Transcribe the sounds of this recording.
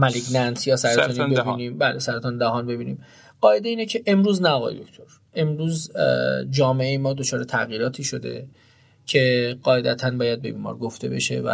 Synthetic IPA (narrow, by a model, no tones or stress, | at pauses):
mæleɡnænsjɒːsæɾt̪ɔnbebiniːmbæːlesæɾet̪ʰɒːnd̪æɦɒːnbe̞biːniːm | ɢ̥ɒːe̞d̪eiːne̞cʰe̞ʔe̞mɾuːznæɒɣɒ̰ːjd̪okʰcʰt̪ʰo̞ɾ | e̞mɾuːz | d͡ʒɒːme̞ejemɒːd̪ot͡ʃʰɒːɾe̞t̪ʰæɣjiːɾɒːt̪ʰiːʃo̞d̪e̞̰ | cʰe̞ɢɒːed̪æt̪ʰænbɒːjæd̪̚be̞biːmɒ̰ːɾɡoft̪e̞̰be̞̰ʃe̞̰væ̰